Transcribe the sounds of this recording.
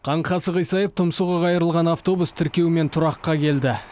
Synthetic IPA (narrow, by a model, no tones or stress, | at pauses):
qʰɑɴχʰɑsəqəjsɑjəft̪ʰʊmsuʁɑʁɑjəɾəlˠʁɑnaft̪o̞bust̪ʰɪɾkʲe̞wɪme̞nt̪ʰʊɾɑqːɑkʲʰe̞ld̪ɪ